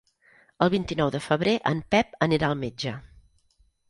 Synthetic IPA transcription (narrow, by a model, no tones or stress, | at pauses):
əlˠβint̪inɔwðəfəβ̞ɾeʔəmpɛp̚əniɾaəlˠmed͡ʒə